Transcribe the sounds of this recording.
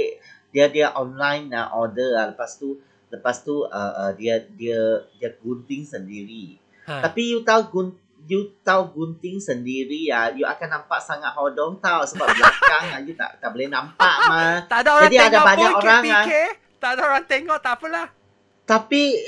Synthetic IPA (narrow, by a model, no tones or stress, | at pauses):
diadiaʔɔnlãjna̰ʔɔdəaləpast̪u | ləpast̪uəʔədiədiədiaɡunt̪ɪŋsəndiɾi | apijut̪auɡun | jut̪awɡunt̪ɪŋsəndiɾiajuʔa̰kanːãmpaʔsaŋat̪̚hɔdɔŋt̪awsəbap̚bəlakaŋajut̪a̰ʔt̪aʔbolɛhnãmpaʔmat̪adaod͡ʒadiadabaɲakoɾaŋiae | t̪adaʔoɾaŋt̪eŋɔʔt̪apəlah | t̪api